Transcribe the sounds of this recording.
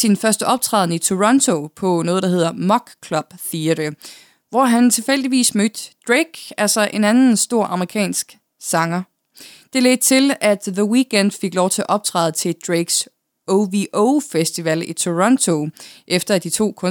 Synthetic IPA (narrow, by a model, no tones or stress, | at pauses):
sinfɶɐsd̥əʔɒ̽b̥̚t͡sʰʁɑ̰ːðˠn̩əit͡sʰo̝ʁɒ̽nt͡sʰo̝pʰɒ̽nɔ̽ːð̩ˠd̥ɑɦe̝ð̰ˠɐmɒ̽ɡ̥kʰlɒ̽b̥θiɐɾ̥ə | ʋɒɦænt͡sʰe̝lfel̰d̥iʋḭːsmød̥d̥ʁeɡ̥ælsɒʔe̝nænn̩sd̥o̝ɐ̰ʔɑ̈məʁikʰɛ̰ːnsɡ̥ | sɑ̈ŋɐ | d̥e̝led̥̚t͡sʰe̝læd̥ðəwiɡ̥en̰d̥fe̝ɡ̥lɒʊ̰t͡sʰe̝ʔɒ̽b̥̚t͡sʰʁɑ̰ːð̩ˠt͡sʰe̝d̥ʁeɡ̥s | oʋiʔofesd̥iʋælit͡sʰo̝ʁɒ̽nt͡sʰo̝ʔefd̥ɐæd̥it͡sʰo̝̰ːkʰɔ̽